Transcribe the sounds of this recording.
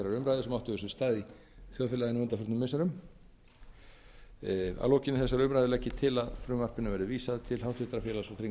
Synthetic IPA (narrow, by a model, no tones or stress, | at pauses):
ɛɾaɾʏmɾajðʏsɛmawht̪ʏɛsʏst̪aːði | θjawfɪlaðɪnuːnt̪afʏɾt̪nʏmɪsaɾʏm | a̰lɔwhcɪnɪθɛsaɾʏmɾajðʏlɛhcːɪt̪ʰɪlaðfɾʏːmvar̥pɪnavɛɾðʏviːsaðt̪ʰɪlhawt̪ʏht̪ɾafjɛːlasɔθɾiŋ